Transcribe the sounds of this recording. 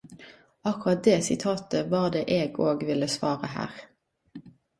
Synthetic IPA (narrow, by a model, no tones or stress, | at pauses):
ɑkʊʁɑt̪̚d̪eːsɪt̪ʰɑːt̪əʋɑːʁd̪eːʔeːɡoːɡʋɪlːəsʋɑːʁəhæ̰ːʁ